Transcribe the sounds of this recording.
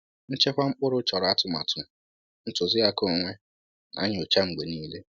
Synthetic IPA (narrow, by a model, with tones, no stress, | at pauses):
n̩˦t͡ʃe˦kʷa˦ŋ͡m̩˦k͡pʊ˦ɾʊ˦t͡ʃɔ˨ɾa˦tʊ˨˦ma̰˨tʰʊ˨ | n̩˦tʊ˨zɪ˦a˦ko˨ŋʷe˦ | na̰˨˦ɲ˨o˨t͡ʃa˦ŋ͡m̩˨ɡ͡be˨niː˦le˦